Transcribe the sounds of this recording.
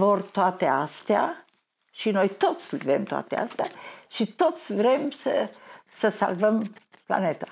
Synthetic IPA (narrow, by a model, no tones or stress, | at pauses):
vo̞rt̪oat̪east̪ea | ʃino̞jt̪o̞t̪sʲlvemt̪oa̰t̪ea̰st̪eaʃit̪o̞t̪sʲvɾe̞msəsəsa̰lvəmpla̰net̪a